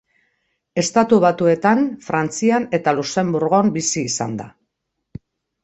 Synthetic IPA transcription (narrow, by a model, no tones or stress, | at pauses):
e̞st̪at̪uβat̪ue̞t̪anfɾant͡siane̞t̪aluse̞mbuɾɣombisiːsa̰nd̪a̰